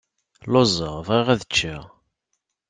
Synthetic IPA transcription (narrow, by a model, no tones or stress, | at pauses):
lozˤəʁvʁiʁæðət͡ʃːi